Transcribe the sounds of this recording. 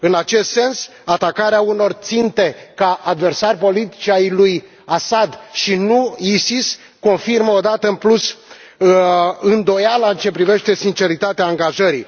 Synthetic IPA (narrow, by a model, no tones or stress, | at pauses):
ɨnat͡ʃe̞st̪se̞ns | at̪akaɾeauno̞rt̪sint̪e̞kaʔad̪ve̞rsarʲpo̞lit̪i̥t͡ʃajluj | asad̪ʃinuisis | ko̞nfirməod̪at̪əɨnplus | ɨnd̪o̞jalaɨnt͡ʃe̞pɾive̞ʃt̪e̞sint͡ʃe̞ɾit̪at̪eaːŋɡaʒəɾḭ